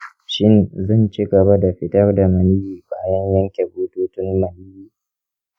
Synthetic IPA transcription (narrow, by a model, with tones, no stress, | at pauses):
ʃɪ˦nzɐ˦˨nt͡ʃi˦ɡɐ˨ba˦da˨ɸɪ˦tɐ˦rda˨mɐ˨niː˦jiː˨kʷaː˦jɐ˦ɲjɐ˦ŋkʲe˨buː˦tuː˦tʊ˦mmɐ˨niː˦jiː˨